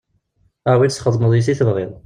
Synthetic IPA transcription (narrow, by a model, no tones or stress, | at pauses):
awisχəðˤməðˤjis̬iθəvʁɪðˤ